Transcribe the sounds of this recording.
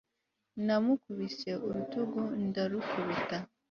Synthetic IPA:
namukuβiseʔoɾutuɡon̩daɾukʰuβita

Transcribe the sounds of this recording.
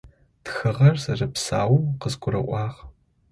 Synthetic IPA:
txɨʁɐrzɐrɐpsaːwuqəzɡʷʊɾɐʔʷɑːʁ

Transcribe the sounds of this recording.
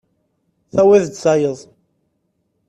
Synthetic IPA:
θæwæðd̪sɑjəðˤ

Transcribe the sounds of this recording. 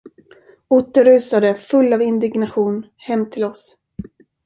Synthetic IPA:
ʊːt̪ːəɾʉ̟ːsad̪əfɵlːavɪnd̪ɪɡnaɧuːn | hɛmːt̪ʰɪlɔs

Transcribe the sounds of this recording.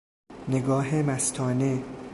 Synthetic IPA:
neɡɒːɦemæst̪ʰɒːne

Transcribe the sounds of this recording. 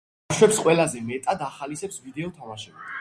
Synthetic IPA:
ʃwɛpsqʼwɛlazɛmɛt̪ʼad̪aχalisɛpsvid̪ɛɔt̪ʰamaʃɛbi

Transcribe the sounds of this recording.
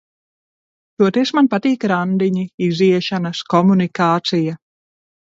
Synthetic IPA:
t̪uɔt̪ɛsmanpat̪iːkɾand̪iɲiiziɛʃanɐskɔmunikaːt̪sija

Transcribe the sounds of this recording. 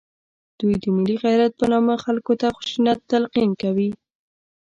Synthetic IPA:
d̪̥ujd̪əmɪliɣajɾat̪̚pənɑməxalkot̪axʊ̥ʃunat̪ːalqinkawi

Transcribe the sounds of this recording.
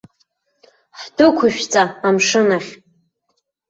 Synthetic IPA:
ħdʊkʷʰʊʃᶣt͡sʼaamʂɨnaχʲ

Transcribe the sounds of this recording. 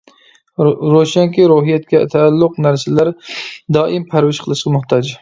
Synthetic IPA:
ɾoʃɛŋkʲiɾuɦijɛt̪̚kʲɛt̪ʰɛːlːʊqnæɾsɪlæɾd̪ɑːʔimpʰæɾwɪʃqʰəlˠɨʃqʰmʊht̪ʰɑd͡ʒ

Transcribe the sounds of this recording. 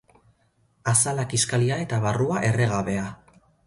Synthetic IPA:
asalakiskaliae̞t̪aβaruaʔe̞re̞ɣaβe̞a

